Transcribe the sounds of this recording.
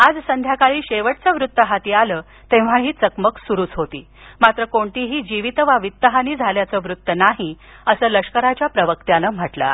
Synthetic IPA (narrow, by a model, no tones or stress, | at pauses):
ad͡zsənd̪ʱjakaɭiːɕeʋəʈt͡səʋɾut̪ːəɦat̪iːaləː | t̪ẽʋ̤aɦiːt͡səkməksuɾuːt͡sɦot̪ḭː | mat̪ɾəkoɳʈ̪iːɦiːd͡ʑiʋit̪əʋaʋit̪ːəɦaniːd͡zʱaljat͡səːʋɾut̪ːənaɦi | əsəːləʂkəɾat͡ɕjapɾəʋəkt̪janəːm̤əʈla̰